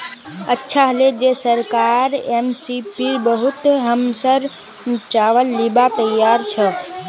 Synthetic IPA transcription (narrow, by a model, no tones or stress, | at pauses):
ətːʃʰaɦəled͡ʒesəɾkaɾemsipibəɦut̪ɦəmsəɾ | t͡ʃaʋəlːibat̪əjːaɾt͡ʃʰə